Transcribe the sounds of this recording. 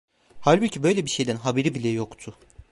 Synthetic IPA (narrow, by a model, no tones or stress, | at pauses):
halʲbucʰibø̞jlʲɛbiʃe̞jd̪ænɦabeɾibilʲɛjokt̪ʰʊ